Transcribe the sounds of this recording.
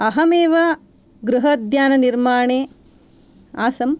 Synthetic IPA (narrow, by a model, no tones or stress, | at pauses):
ɐɦɐmeːʋɐ | ɡɾuɦɐd̪ʱjaːnɐniɾmaːɳeː | aːsɐm